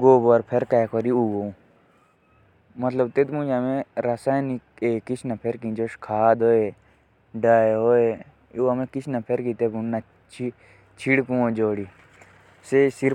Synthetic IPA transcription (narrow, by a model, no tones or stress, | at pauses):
ɡoːbəɾpʰeɾkaːkɔɾiuɡoũ | mɐt̪ləb̚t̪et̪mũd͡ʒamẽɾasaːjnikeːkit͡ʃʰnɐpʰeɾkĩd͡ʒoʃkʰaːd̪oːe | ɖaːeɦoːe | uɐmẽkit͡ʃʰnɐpʰeɾkit̪ebunna | t͡ʃʰi | t͡ʃʰiɽkũõd͡ʒoːɽi | sesiɾ